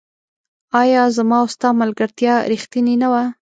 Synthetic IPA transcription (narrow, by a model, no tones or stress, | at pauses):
ɑjɑzamɑʊst̪ɑmalɡaɾt̪jɑɾixt̪ininawa